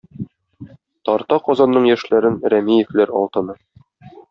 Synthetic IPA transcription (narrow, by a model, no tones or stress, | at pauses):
t̪ɒɾt̪ɑqɒzɑnːɤɴjæʃlæɾɘnɾæmijɘ̆flæɾɒ̰lˠt̪ɤ̆nɤ